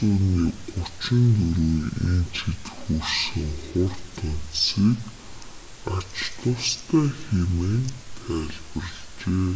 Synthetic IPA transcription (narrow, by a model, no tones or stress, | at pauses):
uːniːʊt͡ɕɪ̆nt̪ɵɾuːjint͡ɕʰit̪xursɘ̆ŋχʊrt̪ʰʊn̥siːk | at͡ɕt̪ʊwst̪ʰæːxemeːnt̪ʰæːɮpə̆r̆t͡ɕeː